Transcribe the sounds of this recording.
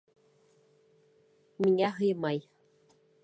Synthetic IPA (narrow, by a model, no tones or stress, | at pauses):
miŋæɦɤjmɑj